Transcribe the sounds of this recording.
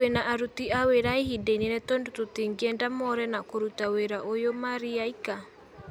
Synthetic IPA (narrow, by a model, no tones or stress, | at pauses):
enaʔaɾutiaweɾaiɦideniɛnɛtɔndototiŋɡiɛndamɔɾɛnakoɾutaweɾaʔojomaɾiaika